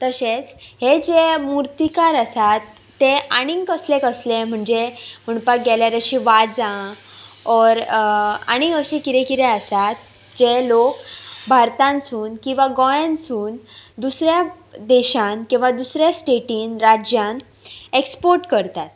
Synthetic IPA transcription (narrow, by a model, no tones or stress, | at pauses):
t̪əɕet͡shed͡ʑemuɾt̪ikaɾəsat̪ː | eaɽ̃iŋkəslekəslem̤əɳd͡zem̤əɳpak̚ɡɛljaɾəɕĩʋad͡zã | ɔɾa̰ɽ̃iəɕẽkiɾekiɾeəsat̪ | d͡ʑelokbʱaɾt̪ãnsuːnkĩw̃ʋaɡɔjãnsuːnd̪usɾja | d̪eɕãnkĩw̃ʋad̪usɾjasʈeʈiːnɾad͡ʑjãn | ekspoɾʈkəɾt̪at̪